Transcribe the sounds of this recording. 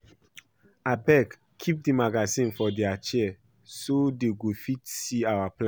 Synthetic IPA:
abɛk | kʰːip̚dimaɡazĩnfɔdɛat͡ʃɛ | sodeɡofitsiawaplã

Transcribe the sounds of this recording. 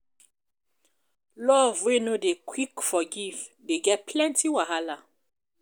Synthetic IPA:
lɔvwenodekʰwikfɔɡivdeɡɛpʰlɛ̃ntiwaɦala

